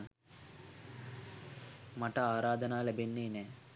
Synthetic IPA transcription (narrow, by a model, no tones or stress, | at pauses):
mɐʈɐaːɾaːd̪ɐnaːlɐbenːeːnɛː